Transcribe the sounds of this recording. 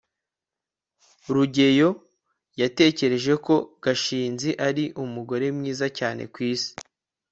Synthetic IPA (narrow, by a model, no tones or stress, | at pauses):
ɾuɟe̞jo̞ | jate̞ːce̞ɾe̞ʒe̞ko̞ɡ̥aʃiːnziʔaɾiʔumuɡo̞ɾe̞mɲiːzacaːne̞̰kwiːsi̥